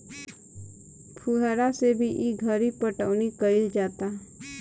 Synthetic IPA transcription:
pʰuɦəɾasebʱiʔiɡʱəɾipəʈəʋnikəɾed͡ʒaːt̪a

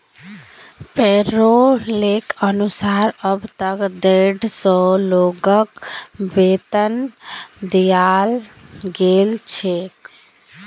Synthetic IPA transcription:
peɾolekənusaɾəbt̪əkd̪eɖsɔloɡəkbet̪ənd̪ijalɡelt͡ʃʰek

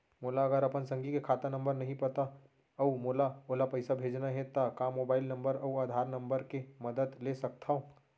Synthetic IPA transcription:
moːlaɐɡəɾɐpənsə̃ŋɡikekʰaːt̪anə̃mbəɾnɐɦĩpət̪a | ɐumoːlaoːlapəɪsabʱeːd͡ʒnaɦɛ̃t̪akamoːbaːɪlnə̃mbəɾɔuaːd̪ʱaːɾnə̃mbəɾkeməd̪əd̪lesɐk̚t̪ʰaõ

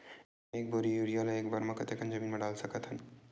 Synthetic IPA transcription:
ek̚boɾijuɾialaekbaɾmakət̪ekʰand͡ʒəminmaɖalsəkət̪ɦən

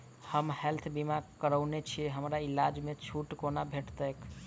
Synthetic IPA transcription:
həmhelt̪ʰbimakəɾəʊnet͡ʃʰijeɦəmɾailad͡ʒmet͡ʃʰuʈkonabʱeʈt̪ək

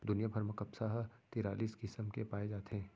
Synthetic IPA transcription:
d̪ʊnijabʱəɾməkɐpsaɦt̪iːɾaːliːskɪsəmkepaːed͡ʒaːt̪eɦɛː

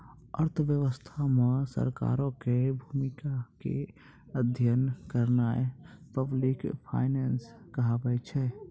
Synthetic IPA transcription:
ə̰ɾt̪ʰʋjəʋəst̪ʰamesə̰ɾka̰ɾõkebʱumikakḛ | əd̪ʱjənkəɾnaepəblikpʰa̰ɪnɛnskəɦabɛt͡ʃʰɛ

